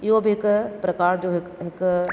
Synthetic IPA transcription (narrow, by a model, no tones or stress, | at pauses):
ɪobʱiɦɪkpɾɐkaːɾd͡ʑoːɦɪkɦɪk